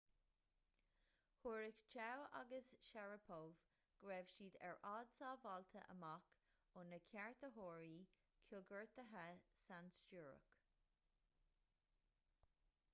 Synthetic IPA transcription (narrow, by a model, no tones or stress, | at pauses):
huːɹɪkt͡ʃʰawa̰ɡəsʃɛɹəpʰov | ɡ̥ɹɛːv̥ʃiːd̪ɛ̰ɹʔɑːd̪sɑːvɑlt̪ʰə̰ʔə̰mak | ʊnəkʲʰɛɹt̪əɦoːɹiː | kʰuɡəɹt̪əɦəsanst͡ʃuːɹə̰k